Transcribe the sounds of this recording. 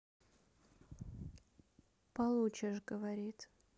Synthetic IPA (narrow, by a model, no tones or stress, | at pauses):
pɐlˠut͡ɕɪʂɡəvɐɾʲit̪